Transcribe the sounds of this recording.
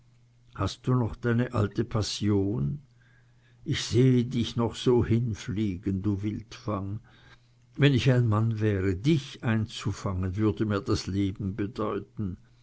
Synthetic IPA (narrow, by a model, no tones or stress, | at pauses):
hastd̥uːnɔχd̥aɪnəʔa̰ltəpʰasjoːn | ʔɪçz̥eːədɪçnɔχz̥oːhɪnfliːɡənduːvɪltfaŋ | vɛnɪçaɪnmanvɛːʁədɪçʔaɪnt͡sufaŋənvʏɐdəmiːɐd̥asleːbm̩bədɔʏtn̩